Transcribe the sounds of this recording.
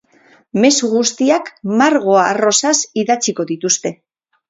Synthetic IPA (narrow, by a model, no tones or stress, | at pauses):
me̞suɣust̪iakmaɾɣ̞o̞aːro̞sasiðat͡siko̞ðit̪ust̪e̞